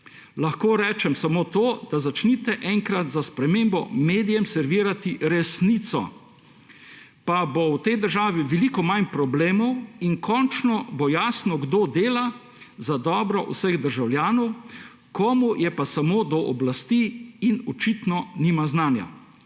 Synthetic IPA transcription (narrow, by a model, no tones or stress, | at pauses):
laxkoːɾɛːt͡ʃɛmsamot̪oːd̪̥azat͡ʃnit̪ɛʔɛŋkɾat̪zaspɾɛmembɔmeːd̪ijɛmsɛɾʋiːɾat̪iɾɛsnit̪sɔ̰ | pabowt̪ɛjd̪əɾʒaːʋiʋɛlikɔmanpɾɔbleːmɔwinkʰɔnt͡ʃnɔbɔjaːsnɔɡd̪oːd̪eːla | zad̪ɔːbɾɔ̰ʔṵsəɣd̪əɾʒawljaːnɔw | kʰɔmujɛpasamoːd̪ɔʔɔblast̪iinɔt͡ʃit̪nɔniːmaznaːnja̰